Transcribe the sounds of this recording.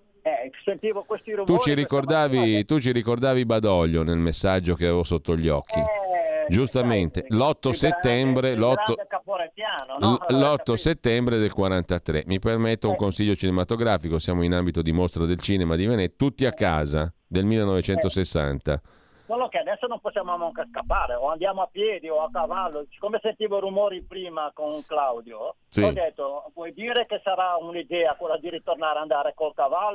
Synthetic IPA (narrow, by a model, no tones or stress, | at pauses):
ɛsent̪iːvokwest̪iɾuut͡ʃiɾikord̪aːvit̪ut͡ʃiɾikord̪aːvibad̪ɔʎːonelmesːad͡ʒːok̟eavevosot̪ːoʎːɔkʰːid͡ʒust̪ament̪elɔt̪ːoset̪ːɛmbɾelɔt̪ːokapoɾpjaːnolɔt̪ːoset̪ːɛmbɾed̪elkwaɾant̪at̪ɾḛmipermet̪ːouŋkonsiʎːot͡ʃinemat̪oɡɾaːfikosjaːmoinambit̪od̪imost̪ɾad̪elt͡ʃiːnemad̪ivenet̪ːut̪ːiakːa̰ːzad̪elmilːenɔvet͡ʃɛnt̪osesːa̰nt̪a̰ | welːokead̪ɛsːonõmposːjaːmoamaŋkaskapːaːɾeoand̪jaːmoapjɛːd̪ioakavalːosi̥komesent̪iːvorumɔːɾipɾiːmakonklawd̪jo | sid͡ʒɛt̪ːopwɔjd̪iːɾekesaɾaunid̪ɛːakwelːad̪iɾit̪ornaːɾeand̪aːɾekolkavalː